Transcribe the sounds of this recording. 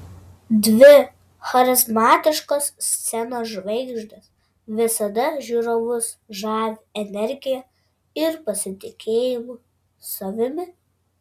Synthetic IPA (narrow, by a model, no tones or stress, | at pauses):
d̪ʲʋʲɪ | xɐɾʲɪzmɑːt̪ʲɪʃkoːssʲt̪sʲɛnoːsʒʋɐɪɡʒd̪ʲɐs | ʋʲɪsɐd̪ɐʒʲuɾoʋʊs | ʒɑːʋʲɪɛnʲɛɾʲɡʲɪjɛ | ɪɾpɐsʲɪt̪ʲɪkʲʰeːjɪmuː | soʋʲɪmʲɪ